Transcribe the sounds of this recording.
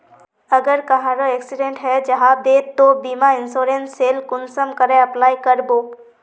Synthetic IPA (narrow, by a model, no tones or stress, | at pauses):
ɐɡəɾkɐɦãɾoɛksɪɖẽɳʈɦɛd͡ʒɐɦãd̪et̪obiːmaɪnsoːɾenseːlkʊnsəmkəɾẽɐplaːikəɾboː